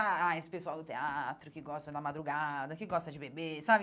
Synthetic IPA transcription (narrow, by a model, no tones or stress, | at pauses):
aaespesuawd̪ʊt̪eat̪ɾʊkiɡɔst̪ɐd̪amad̪ɾuɡad̪ɐkiɡɔst̪ɐd͡ʒɪbebesab